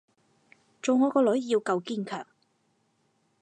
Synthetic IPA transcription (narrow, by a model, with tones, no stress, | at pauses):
t͡so˨wŋɔː˨˧kɔː˧lɵ˨˥ɥjiː˧wkɐ˧wkiː˥nkʰœː˨˩ŋ